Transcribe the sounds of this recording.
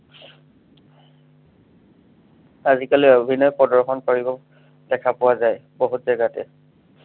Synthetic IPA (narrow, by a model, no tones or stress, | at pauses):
azikaliobʱinɔjpɔdɔɹxɔnpaɹibɔ | d̥ɛkʰapʊwazajboɦutzɛɡatɛ̰